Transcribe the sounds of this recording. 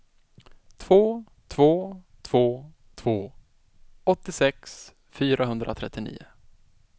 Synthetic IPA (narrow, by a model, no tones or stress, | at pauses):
t̪ʰvoː | t̪ʰvoː | t̪ʰv̥oː | t̪ʰv̥oː | ɔt̪ːɪsɛks | fyːɾaɦɵnd̪ɾʔa̰t̪ʰɾɛt̪ːɪnḭːʊ̰